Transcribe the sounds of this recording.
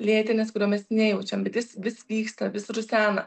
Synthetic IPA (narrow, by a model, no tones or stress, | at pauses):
lʲeːt̪ʲɪnʲɛskʊɾʲuːmʲɛsnʲɛjɛʊt͡ʃʲɛmbʲɛt̪jɪsʋʲɪsʋʲiːkst̪ɐʋʲɪsɾʊsʲæːnɐ